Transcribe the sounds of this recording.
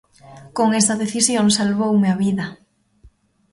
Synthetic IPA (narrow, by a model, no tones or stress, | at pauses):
koŋest̪aðeθisjonsalβowmeaβiða